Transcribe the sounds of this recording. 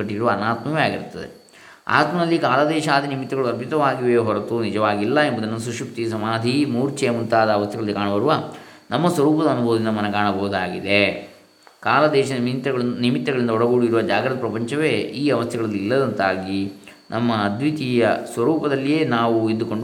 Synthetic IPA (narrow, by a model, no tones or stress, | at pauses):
ɐʈːiɾuʋɐːnaːt̪mɐʋejaːɡḭɾut̪ːɐd̪ḛ | a̰ːt̪mɐd̪ɐlːikaːlɐd̪ɛːʃaːd̪inimit̪ːɐɡɐɭuɐɾbʱit̪ɐʋaːɡiʋeːɦɔɾɐt̪unid͡ʒɐʋaːɡilːɐembud̪ɐnɐɐs̬uʂupt̪ijɐsɐmaːd̪ʱimuːɾt͡ʃeːmunt̪aːd̪ɐːʋɐst̪ʰjɐɡɐɭɐlːikaːɳɐbɐɾuʋa | nɐmːɐsʋɐɾuːpɐd̪ɐɐnubʱoːd̪ind̪ɐmɐnɐkaːɳɐbʱɐːud̪aːɡid̪e | kaːlɐd̪ɛːʃɐmt̪ːɐɐɭnimit̪ːɐɡɐɭind̪ɐɔɽɐɡuːɽiiɾuʋɐd͡ʒaːɡɾɐd̪ɐpɾɐpɐɲt͡ʃɐʋe̞ːiːɐʋɐst̪ʰjɐɡɐɭɐlːilːɐd̪ɐnt̪aːɡi | nʔɐmːɐːd̪ʋit̪ijɐsʋɐɾuːpɐd̪ɐlːije̞ːnaːʋuid̪ːuko̞ɳɖu